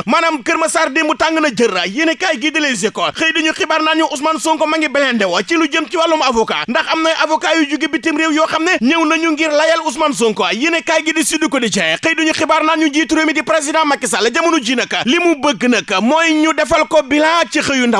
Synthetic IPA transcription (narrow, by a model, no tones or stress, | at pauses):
mɐnɐmkəɾmɐsaɾdembutaŋɡɨnɐd͡ʒərɐjnekajɡidilez̬ekːɔxəjduɲuxibaːɾnanɲuʔus̬mansoŋkɔmɐŋɡibɐlɛndɛwɐt͡ʃilud͡ʒəmt͡ʃiwalːumɐvɔka̰ːndɐxɐmnɐjʔɐvɔkajud͡ʒuɡebitimɾeːwjɔːxɐmnɛɲəwnɐɲuŋɡiɾlɐjɐlus̬mans̬oŋkɔɐjinekaːjɡidisidikɔdid͡ʒɐjɛxəjduɲuxibaːɾnanɲud͡ʒiːtuɾeːmidipɾezidãmɐkːis̬ɐlɐd͡ʒɐmunud͡ʒiːnɐkːɐlimubəɡɨnɐkːɐmɔjɲudɛfɐlkɔbilat͡ʃixəjundɐ